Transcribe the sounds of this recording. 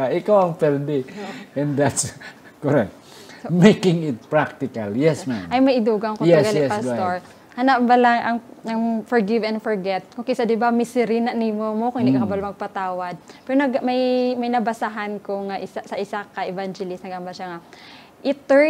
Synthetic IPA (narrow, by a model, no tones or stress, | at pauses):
aʔɪkawɐŋpɛɾd̪ɛɛ̃nd̪at̪s | koɾɛk̚t̪ | mekɪŋɪt̪̚pɹak̚t̪ɪkaljɛsmamɐjmɐjʔɪd̪uːɡɐŋkojɛsɡalɪɛpast̪oɹ | hɐnaʔbalaŋʔɐŋɐŋfɔɹɡɪvɛnd̪fɔɹɡɛt̪̚kokɛjsɐd̪ɪbamɪsɪɾinɐnimomokoŋɪnd̪ikakɐbalmɐɡ̚pɐt̪aːwɐd̪̚pɛɾonɐɡmɐjmɐjnɐbɐsaɦankoŋaʔɪsasɐʔɪsakɐʔɛvand͡ʒɛlɪsnɐɡambaʃaŋa | ʔɪt̪ːɛ